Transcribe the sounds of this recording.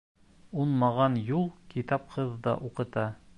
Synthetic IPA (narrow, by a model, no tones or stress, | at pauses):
unmɑʁɑnjulˠkit̪ɑp̚qʰɤðːɑ̰ʔuqɤ̆t̪ɑ